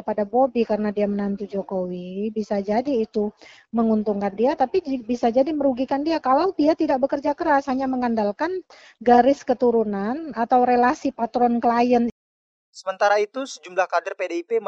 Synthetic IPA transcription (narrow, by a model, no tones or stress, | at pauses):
padabobikaɾənadiamənant̪ud͡ʒokowibisad͡ʒadiːt̪u | məŋunt̪uŋkandiat̪apibisad͡ʒadiməɾuɡikandiakalawdiat̪idak̚bəkərd͡ʒakəɾashaɲaməŋandalkan | ɡaɾɪskət̪uɾunanat̪awɾelasipat̪ɾɔnkəlajən | səmənt̪aɾait̪usəd͡ʒumlahkadərpedeipe